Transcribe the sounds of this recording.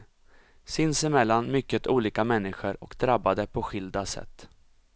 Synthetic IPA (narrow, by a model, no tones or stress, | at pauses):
sɪnsɪmɛlːanmʏkːət̪ʰuːliːkamɛnːɪɧəɾɔkd̪ɾabːad̪əpʰɔɧɪld̪asɛ̰t̪ː